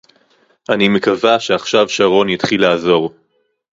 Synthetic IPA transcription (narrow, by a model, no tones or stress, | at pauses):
ʔanimekavaʃeaχʃavʃaʁo̞njitχilaːzo̞ʁ